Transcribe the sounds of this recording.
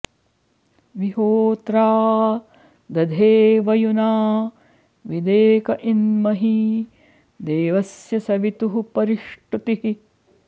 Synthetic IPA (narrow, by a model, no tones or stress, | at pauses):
ʋiɦoːt̪ɾaː | d̪ɐd̪ʱeːʋɐjunaː | ʋid̪eːkɐʔinmɐɦi | d̪eːʋɐsjɐsɐʋit̪uɦupɐɾiʂʈut̪iɦi